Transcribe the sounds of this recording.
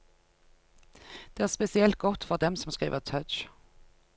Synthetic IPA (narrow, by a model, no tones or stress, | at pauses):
d̪̥eːæːʁspɛsɪɛlt̪̚ɡ̥ɔt̪ːfɔʁd̪ɛmsɔmskʁḭːʋət̪ʰœt͡ʃ